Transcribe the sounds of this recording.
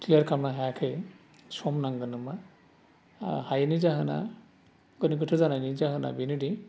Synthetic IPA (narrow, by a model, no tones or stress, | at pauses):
kliəɾkʰamnaɦajakʰɯj | sɔmnaŋɡɯnɯma | hajnizaɦɯna̰ | ɡɯnik̬ɯtʰɯzananid͡ʒaɦɯna̰binudi